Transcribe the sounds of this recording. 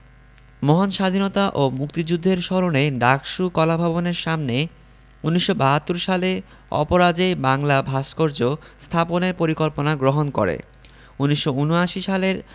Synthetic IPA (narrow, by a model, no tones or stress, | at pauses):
mɔɦonʃad̪ʱinot̪aʔomukt̪id͡ʑud̪ʱːeɾʃɔɾoneɖakʃukɔlabʱaboneɾʃamne | unːiʃːobaɦat̪ːoɾʃale | ɔ̰poɾad͡ʑebaŋlabʱaʃkoɾd͡ʑost̪ʰaponeɾpoɾikolponaɡɾoɦonko̰ɾḛ | unːiʃːounoaʃiʃaleɾ